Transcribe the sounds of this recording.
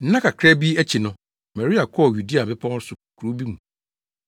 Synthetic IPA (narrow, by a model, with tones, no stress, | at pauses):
n̩˦nã˦kʰa˨kʰɾɛ˦bi˦æ˦t͡ɕʰi˨nʊ̃˦ | mɛ˨ɾi˦a˨kʰɔ˦ɔ˨ju˨di˦a˨bɪ˦pʰɔ̃˦n˦sʊ˨kʰu˨ɾo˦bi˦mũ˨